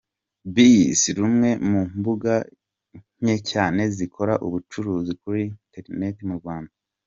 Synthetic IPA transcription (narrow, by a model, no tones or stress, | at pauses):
bisɾumŋe̞mumbuɡa | ɲ̥ecaːne̞zikʰo̞ɾa̰ʔuβut͡ʃuɾuːzikuɾinte̞ɾne̞timuɾɡwaːnda